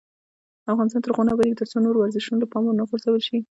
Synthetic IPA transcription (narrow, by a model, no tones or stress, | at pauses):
afɣɑnɪst̪ɑnt̪əɾɣanabaɾikt̪əɾt͡sonoɾwaɾzɪʃunoləpɑmonaxoɾsawəlʃi